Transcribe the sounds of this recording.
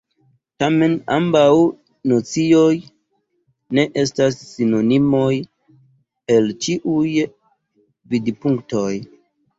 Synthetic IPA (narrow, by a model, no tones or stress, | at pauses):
tame̞na̰mbaw | not͡sio̞j | ne̞ʔe̞stasːino̞nimo̞j | e̞lt͡ʃiʔuj | vidpuŋkto̞j